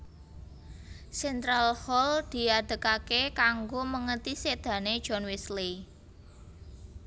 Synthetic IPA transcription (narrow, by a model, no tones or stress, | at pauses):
sɛnt̪ɾalhɔld̪̥i̤ad̪̥ə̤kakekaŋɡoməŋət̪ised̪̥ä̤ned̥ʒ̥ɔ̤nwisli